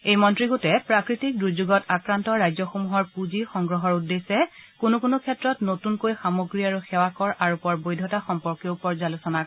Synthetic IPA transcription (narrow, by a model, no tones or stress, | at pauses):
ejmɔntɹiɡotɛpɹakɹitik̚dɹuzuɡɔtakɹantɔɹajzɔxomuɦɔɹpuzixɔŋɡɹɔɦɔɹudːesɛkunukunukʰɛtɹɔtnotunkojxamoɡɹiaɹuxɛwakɔɹaɹupɔɹbojdʱɔtaxɔmpɔɹkjopɔɹzalusɔna